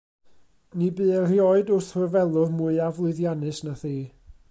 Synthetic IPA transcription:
nibɨːrjɔɨdʊrθrʊrvɛlˠʊrmuɨavlˠʊɨðjanɨsnaθiː

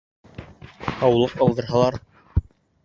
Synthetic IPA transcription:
ɑwlˠɤqɑlˠd̪ɤ̆ɾɦɑlˠɑɾ

